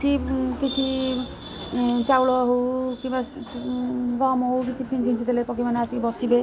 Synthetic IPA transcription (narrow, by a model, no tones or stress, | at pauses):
kʰikit͡ʃʰi | t͡ʃawlɔɦokiba | ɡɔmɦowkit͡ʃʰipʰinsʰint͡ʃʰit̪elepɔk̬ibaneasibɔsibe